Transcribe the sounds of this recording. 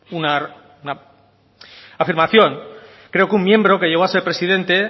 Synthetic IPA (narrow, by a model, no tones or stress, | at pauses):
una | una | afiɾmaθjo̞ŋ | kɾeo̞kummje̞mbɾo̞keʝeɣo̞ase̞ɾpɾe̞sið̞e̞nt̪e̞